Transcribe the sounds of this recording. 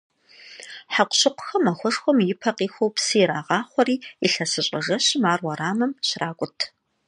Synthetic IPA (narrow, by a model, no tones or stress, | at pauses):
ħaqʷʊɕɪqʷʊ̥xɐmɐxʷɔʂxʷɔmjɪpʰɐqiːxʷowpsɨjɾaːʁɑːχʷɔriːiɬɐsɨɕʼɐʒɐɕmaːrwɐɾaːmɐmɕraːkʷʼʊtʰ